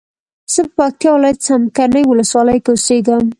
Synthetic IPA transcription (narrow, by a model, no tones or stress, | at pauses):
z̥əpəpɑk̚t̪jɑwɪlɑjat̪samkaɾnəjwʊləswɑləjkaʊseɡəm